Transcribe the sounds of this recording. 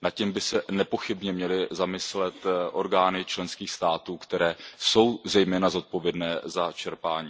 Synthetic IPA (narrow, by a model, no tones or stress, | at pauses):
nat̪cɛmbɪsɛnɛpo̞xɪbɲɛmɲɛlɪzamɪslɛt̪ʔo̞ɾɡaːnɪt͡ʃlɛnskiːxst̪aːt̪uːkt̪ɛɾɛːso̞wzɛjmɛːnazo̞t̪̚povjɛdnɛːzat͡ʃɛɾpaːɲiː